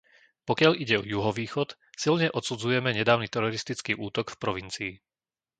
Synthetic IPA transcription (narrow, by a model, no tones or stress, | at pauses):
pɔkɪaʎiɟɛɔjuɦɔʋiːxɔt̪ | silɲɛʔɔt̪sud͡zujɛmɛɲɛd̪aːʊnit̪ɛɾɔɾist̪it͡skiːʔuːt̪ɔkfpɾɔʋint͡siː